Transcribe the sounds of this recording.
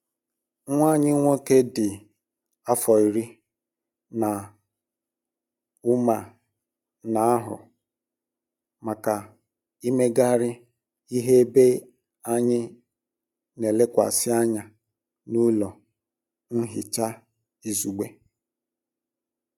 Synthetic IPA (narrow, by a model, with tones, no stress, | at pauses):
ŋʷa˦˨ɲɪ˦ŋʷo˦ke˦dɪ˨ | a˦fɔ˨i˨ɾi˦ | na˨ | ʊ˦ma˨ | na˨a˦ɦʊ̰˨ | ma˨ka˨ | i˦me˦ɡa˦ɾɪ˦ | i˦ɦe˦e˦be˦ | a˦ɲɪ˦ | ne˨le˦kʷa̰˨sɪ˦a˦ɲa˨ | nu˦lɔ˨ | n̩˦ɦɪ˨t͡ʃa˦ | i˦zu˨ɡ͡be˦